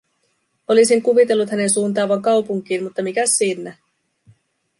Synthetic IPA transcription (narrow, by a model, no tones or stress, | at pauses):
o̞lisiŋkuʋit̪e̞lːut̪hæne̞nsuːnt̪ɑːʋːɑŋkɑwpuŋk̟iːnmut̪ːɑmikæsːiːnːæ